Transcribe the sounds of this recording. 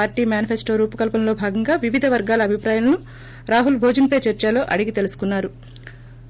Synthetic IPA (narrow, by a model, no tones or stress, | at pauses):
aːɾʈiːmjaːnipʰesʈo̞ːɾuːpɐkɐlpɐmlo̞ːbʱaːɡɐŋɡaːʋiʋid̪ʱɐʋɐɾɡaːlɐːbʱipɾaːjɐlɐnu | ɾaːɦulbʱoːd͡ʒɐnpɐjt͡ʃɐɾt͡ʃalo̞ːʔɐɽiɡit̪e̞lusu̥kunːaːɾu